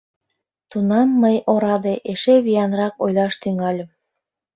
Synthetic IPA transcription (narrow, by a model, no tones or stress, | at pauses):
t̪unɑmːəjoɾɑd̪eʔeʃeβijɑnrɑkojlɑʃt̪yŋɑlʲəm